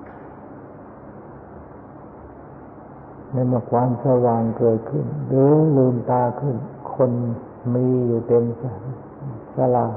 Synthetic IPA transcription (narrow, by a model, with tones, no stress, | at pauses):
na˧˥˩mɯ˧˩˨kʰwaː˧˥˨msa˧waː˨˩ŋkɤː˨˩t̪̚kʰɯ˧˩nlɯː˧˦lɯː˧˩nt̪aː˧˩kʰɯ˧˩nkʰo˧˥˨n | miː˧˥juː˨˩t̪e˧m | sa˧la˨˩